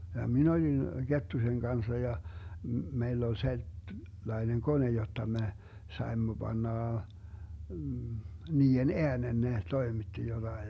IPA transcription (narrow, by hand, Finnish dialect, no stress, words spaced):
jɑ min olin ɡ̊etːusen ɡ̊ɑnsɑ jɑ meilː ol selt lɑineŋ kone jotːɑ me sɑemːo b̥ɑnːɑˑ niːen eænen ne toimitːi jotɑi